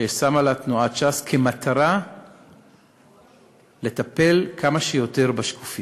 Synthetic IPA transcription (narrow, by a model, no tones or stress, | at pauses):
esamalat̪nuatt͡ʃaskʰe̞mat̪ʰaʁa | le̞t̪ape̞lkamaʃejo̞t̪e̞ʁbaʃku̥fi